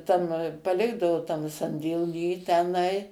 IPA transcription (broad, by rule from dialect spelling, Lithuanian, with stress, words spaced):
tɐm pɐˈlʲɪɡdɐʋoː tɐm sɐnʲdʲeːˈlʲiː tʲɛˈnɐɪ